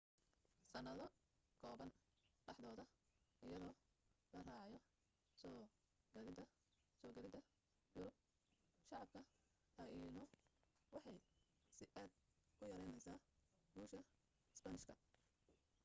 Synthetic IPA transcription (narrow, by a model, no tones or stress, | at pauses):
sɐnɐðɔ | kʰɔːβɐn | ɖɑħðɔːðɐɪjɐðɔːlɐraːʕɑjɔ | sɔː | ɡɐðɪd̪ɐ | sɔːɡɐɾɪd̪ɐ | jʊɾʊb̚ | ʃɑʕɑb̚kʰɐ | lɐinɔwɑħɑj | sɪʔaːd̪̚kʊjɐɾɛjnɛjsaː | buːʃɐ | ɪspɐnɪʃkʰɐ